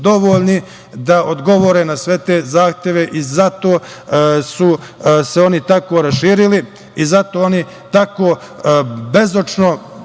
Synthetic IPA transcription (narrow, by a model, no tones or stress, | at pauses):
d̪o̞ʋo̞ːlʲni | d̪aʔod̪ɡo̞ʋo̞ɾenasʋe̞t̪e̞ːzaːxt̪je̞ʋe̞ʔizat̪o̞ː | suse̞o̞nit̪ako̞ːɾasʃiːɾili | izat̪oːo̞ni | t̪akoː | be̞zot͡ʃno